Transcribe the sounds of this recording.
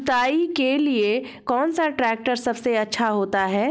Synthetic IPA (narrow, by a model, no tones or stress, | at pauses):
t̪aːikelie | kɔːnsaʈɾɛːk̚ʈəɾsɐbseɐtːʃʰaɦoːt̪aɦɛː